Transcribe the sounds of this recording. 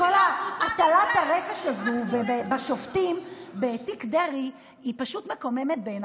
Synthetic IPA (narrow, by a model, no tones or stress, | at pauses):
kolaat̪alat̪aʁefeʃazubebebaʃoftimbetikdeʁi | ipaʃutmekome̞met̪̚ben